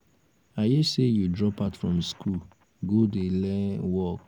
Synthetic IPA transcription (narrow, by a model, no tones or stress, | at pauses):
ajesejudɹɔpatfɹɔ̃mskʰu | ɡodelɛ̃wɔk